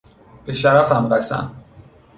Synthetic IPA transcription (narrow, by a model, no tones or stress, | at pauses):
b̥e̞ʃæɾæfæmɾæsæ̰n